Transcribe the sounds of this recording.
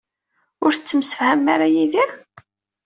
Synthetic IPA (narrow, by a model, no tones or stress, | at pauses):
ʊɾθət͡sːəmsə̥fhæmːaɾajiði